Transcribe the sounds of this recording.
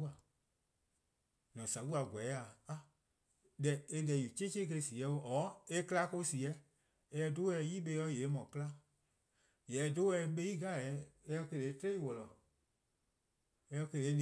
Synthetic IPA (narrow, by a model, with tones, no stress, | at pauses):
a˨ | nɔ̃˨sa˨wu˦a˧˨ɡʷɛ˨˦a˨a˦ | dɛ˨e˧dɛ˧˨ju˨t͡ʃe˦t͡ʃe˦k̬ə˧si˨ɛ˧˦o˧ʔɔː˨˦e˧kɨ˦la˧˦ko˧˦si˨ɛ˨˦ | ɛ˧ɛ˧do˦ɛ˧˦jiː˦ɓe˧˦˧jɔ˧˦jeː˨˦mɔ̃˨kɨ˦la˦ | jɛ˨˦do˦ɛ˧˦ɓe˧˦jiː˦ɡa˦˨ɛ˨˦ɛ˧ɔ˧ke˧le˨˦te˦i˦wɔ˨lɔ˨ | ɛ˧˦ɔ˧ke˧le˨˦nĩ˨